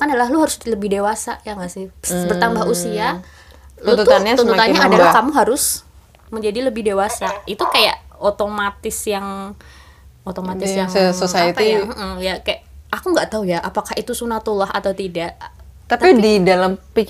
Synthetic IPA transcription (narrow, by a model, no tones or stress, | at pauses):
kanaalahluɦaɾʊsləbɪhdewasa̰jaŋasɪhbərt̪ambaɦusia | lt̪ut̪anɲasunt̪mt̪anɲaadalahkamuɦaɾʊs | məɲd͡ʒadiləbɪhdewasait̪ukaja̰ʔot̪omat̪ɪsjaŋ | ot̪omat̪ɪsjaŋsəsosait̪iam̩jakajaakuŋɡaʔt̪aujaʔapakahit̪usunat̪ulaɦa̰t̪awt̪idaʔ | t̪apididalampik